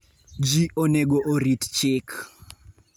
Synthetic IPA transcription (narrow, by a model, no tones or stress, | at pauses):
d͡ʒiʔonɛɡoʔoɾitt͡ʃɪk